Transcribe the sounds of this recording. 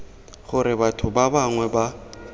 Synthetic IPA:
χʊɾɪbatʰʊbabaŋwɛba

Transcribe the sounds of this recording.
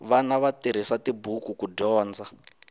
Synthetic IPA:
ʋanaʋatiɾ̤isatibukukudɔːnd͡za

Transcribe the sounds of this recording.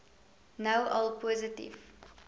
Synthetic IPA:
nɐwʔɐlˠpoːzətḭf

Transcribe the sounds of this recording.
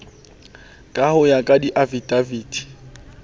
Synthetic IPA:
kʼahʊjakʼadiʔavidaviːti̥

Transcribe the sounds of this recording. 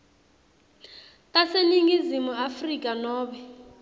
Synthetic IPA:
tʼaseniŋizimuafrikʼanɔːɓɛ

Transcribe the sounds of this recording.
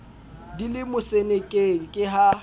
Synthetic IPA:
dilɪmʊsenekʼeŋ̩kʼɪɦa

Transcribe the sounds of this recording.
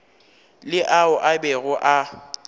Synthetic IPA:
lɪʔaʊʔabɛɣʊʔa

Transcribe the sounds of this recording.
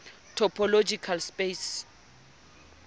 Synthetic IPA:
tʰɔpʰɔlod͡ʒikʰalspes

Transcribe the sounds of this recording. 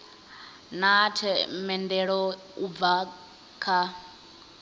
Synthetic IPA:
natʰɛmɛndɛɺɔ | ub̪va | kʰa

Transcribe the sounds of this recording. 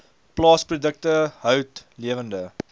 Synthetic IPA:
plɑːsprudək̚təɦœwtliəvəndə

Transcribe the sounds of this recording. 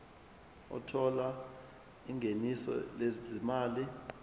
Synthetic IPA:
ɔ̰tʰɔla | iŋʱenisɔ̰lezimaːli

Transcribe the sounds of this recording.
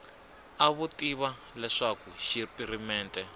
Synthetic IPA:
aβutiβa | lɛʂakuʃipʼiɾimɛːntʼɛ

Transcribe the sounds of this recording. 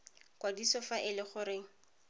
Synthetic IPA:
kwadisɔfaʔɪlɪχʊɾɪŋ̩

